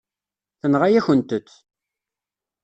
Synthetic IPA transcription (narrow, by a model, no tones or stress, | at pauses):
θənʁajæçənt̪ətː